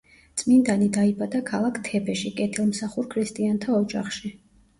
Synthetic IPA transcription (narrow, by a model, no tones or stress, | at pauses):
t̪sʼmind̪anid̪aibad̪akʰalˠakʰt̪ʰɛbɛʃikʼɛt̪ʰilˠmsaχuɾkʰɾist̪ʼiant̪ʰaɔd͡ʒa̰χʃi